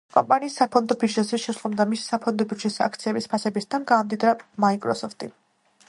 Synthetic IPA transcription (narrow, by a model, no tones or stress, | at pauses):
kʼɔ̰mpʼaniːsːapʰɔnd̪ɔpʰid͡ʒɛsiʃɛslɔbd̪amisi̥sapʰɔnd̪ɔpiɾd͡ʒɛsa̰kʰt̪sʰiɛbispʰasɛbisd̪ʰanɡaːmd̪id̪ɾamaikʼɾɔsɔft̪ʼḭ